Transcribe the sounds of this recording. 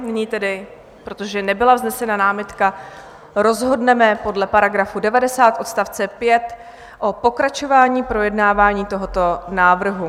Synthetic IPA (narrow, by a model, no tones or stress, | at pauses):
nɪɲiːt̪ɛdɪ | pɾot̪oʒɛnɛbɪlavznɛsɛnanaːmɪt̪ka | ɾo̞zɦo̞dnɛmɛpo̞dlɛpaɾaɡɾafudɛvadɛsaːt̪ʔo̞t̪st̪aft͡sɛpjɛt̪ | ʔo̞po̞kɾat͡ʃo̞vaːɲiːpɾo̞jɛdnaːvaːɲiːt̪o̞ɦo̞t̪o̞naːvr̩ɦu